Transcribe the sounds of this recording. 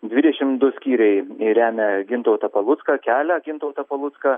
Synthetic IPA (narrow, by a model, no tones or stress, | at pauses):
d̪ʲʋʲɪd̪ʲɛʃʲɪmd̪ʊsʲkʲiːɾʲɛɪɾʲæːmʲɛɡʲɪnt̪oːt̪ɐpɐlˠʊt̪skɐkʲæːlʲɛɡʲɪnt̪oʊt̪ɐpɐlˠʊt̪skɐ